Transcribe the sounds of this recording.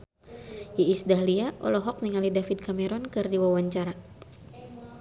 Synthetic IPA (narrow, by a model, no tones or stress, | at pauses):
jiisdaɦliaʔɔ̰lɔɦɔk̚niŋalidafid̚kamɛɾɔnkɨrdiwawaɲt͡ʃaɾa